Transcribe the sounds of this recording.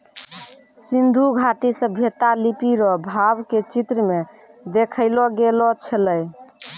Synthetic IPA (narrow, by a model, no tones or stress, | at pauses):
sind̪ʱuɡʱaʈisə̃bʱet̪alipiɾɔbʱabket͡ʃit̪ɾəme | d̪ekʰəɪlɔɡelɔt͡ʃʰələj